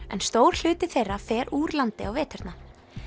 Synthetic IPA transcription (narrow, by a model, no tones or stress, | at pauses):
ɛ̰nst̪oːwɾ̥l̥ʏːt̪ɪθejrːafɛːɾʔuːɾlant̪ɪawvɛːt̪ɛɾ̥t̪na